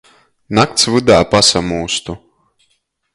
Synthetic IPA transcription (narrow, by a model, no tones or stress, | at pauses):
nak̚t̪svɨd̪aːpasamuːst̪u